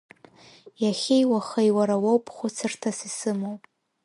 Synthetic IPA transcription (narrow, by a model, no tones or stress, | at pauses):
jaχʲejwaχajwaɾawowpʰʼχʷʊt͡sʰɨrtʰasisɨmowʼ